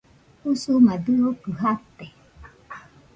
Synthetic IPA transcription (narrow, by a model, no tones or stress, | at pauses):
husumad̪ɨokɨɦat̪ːe